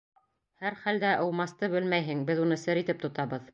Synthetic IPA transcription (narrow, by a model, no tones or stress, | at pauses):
hæɾχæld̪æʔɤ̆wmɑst̪ɤbɘlmæjɦɘŋbɘðunɤsɘɾit̪ɘp̚t̪ŏt̪ɑβɤð